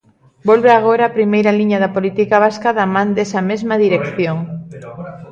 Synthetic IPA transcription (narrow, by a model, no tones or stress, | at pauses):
bolβeaɣ̞oɾaːpɾimejɾaliɲaðapolit̪ikaβ̞askaðamãnd̪esɐmezmaðiɾekθjoŋ